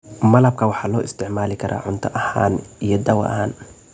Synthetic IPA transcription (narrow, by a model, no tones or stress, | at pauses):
mɐlɐb̚kʰɐwɑħɑːlɔːʔɪst̪ʰɪʕmaːlɪkʰɐɾʔa̰ːʕʊnt̪ʰɐʔɐha̰ːnijɔd̪ɐwɐ̰ʔɐ̰haːn